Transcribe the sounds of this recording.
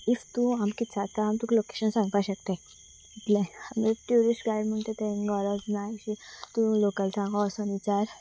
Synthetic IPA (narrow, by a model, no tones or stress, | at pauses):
ift̪ũamkit̪sat̪aɦamt̪ũkloke̥ɕənsãŋɡpaɕək̚t̪e | it̪leamʈjuɾisʈɡajɖm̤əɳt̪et̪eŋɡɔɾɔd͡znaɕit̪ũlokəlsãŋɡɔsɔnit͡saɾ